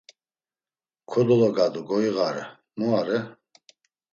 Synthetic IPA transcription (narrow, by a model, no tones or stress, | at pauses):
kʰɔd̪ɔlɔɡad̪uɡɔiɣaɾɛ̰ | muaɾɛ